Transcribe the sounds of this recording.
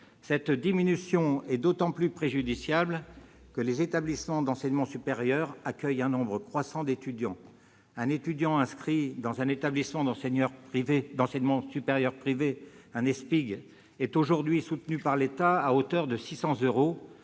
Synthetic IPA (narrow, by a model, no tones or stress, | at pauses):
sɛt̪d̪iminysjɔ̃ɛd̪ot̪ɑ̃plypχeʒyd̪isjabl | kəlezet̪ablismɑ̃d̪ɑ̃sɛɲmɑ̃sypeʁjœʁakʲœjɛ̃nɔ̃bʁəkχwasɑ̃d̪et̪yd̪jɑ̃ | ɛ̃net̪yd̪jɑ̃ɛ̃skχid̪ɑ̃zɛ̃net̪ablismɑ̃d̪ɑ̃sɛɲœʁpived̪ɑ̃sɛɲmɑ̃sypeʁjœʁpχiveɛ̃nɛspiɡ | ɛt̪oʒuʁd̪ɥisut̪nypaʁlet̪aaot̪œʁd̪əsisɑ̃zøʁo